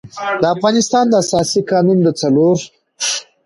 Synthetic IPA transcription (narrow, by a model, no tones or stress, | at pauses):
d̪əafɣɑnɪst̪ɑnd̪əasɑsikɑnund̪ət͡saloɾ